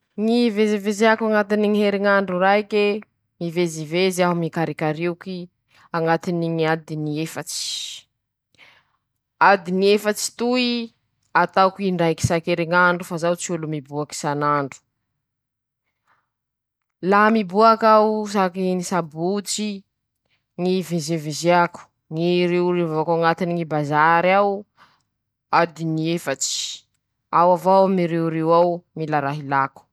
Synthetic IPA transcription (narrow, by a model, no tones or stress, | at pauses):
ŋiveziveziakaŋat̪iniŋiɦeɾiŋaɳɖ͡ʐuɾajke | miveziveziaɦumikaɾikaɾiuki | aŋat̪iniŋiad̪iniefat͡si̥ | ad̪iniefat͡si̥t̪ui | at̪akiɳɖ͡ʐajki̥sakeɾiŋaɳɖ͡ʐufazawt͡siulumibuaki̥sanaɳɖ͡ʐu̥ | laɦamibuakawsakinisabut͡si | ŋivezevezeaku̥ | ŋiɾewɾevavakaŋat̪iniŋibazaɾaw | ad̪iniefat͡si̥ | awavawmiɾewɾewawmilaɾaɦilaku̥